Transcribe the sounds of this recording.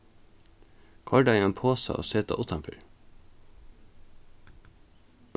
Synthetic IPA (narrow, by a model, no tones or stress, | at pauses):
kʰɑɖɑiːeːnpʰoːsə̰ʔo̰ːseːt̪ɑ̰ʔʊt̪ʰɑnfʏ̰ɹ